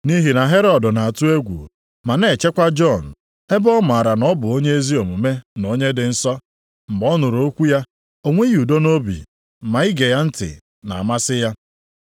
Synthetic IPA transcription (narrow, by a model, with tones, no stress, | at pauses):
ni˦ɦi˨na˨ɦe˦ɾɔ˨dʊ˨na˨a˨tu˦e˦ɡʷṵ˨ | ma˨ne˨t͡ʃe˦kʷa˦d͡ʒɔ˦˨n̩˨ | e˦bɔ˦m˨a˨ɾa˨nɔ˦bʊ˨o˦ɲe˦e˦zi˦o˨mu˨me˦no˦ɲe˦dɪ˨n̩˦sɔ˦ | m̩˨bɔ˦nʊ˨ɾo˦kʷu˦ja˦ | o˨ŋʷe˦ju˨do˦no˦bḭ˨ | ma˨i˦ɡe˨ja˦n̩˦tɪ̰˨ | na̰˨a˨ma˦sɪ˦ja˦